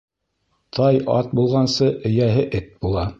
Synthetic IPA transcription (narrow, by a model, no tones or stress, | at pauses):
t̪ʰɑjʔɑ̰t̪̚bulˠʁɑnsɤʔɵ̆jæɦɘʔɘt̪̚bulˠɑ